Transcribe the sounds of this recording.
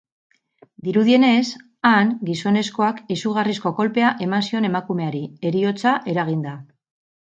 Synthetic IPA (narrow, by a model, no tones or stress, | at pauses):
d̪iɾuðie̞ne̞s | aŋɡiso̞ne̞sko̞akisuɣ̞arisko̞ko̞lpe̞aʔe̞mansio̞ne̞makume̞aɾie̞ɾio̞t͡saʔe̞ɾaɣ̞ind̪a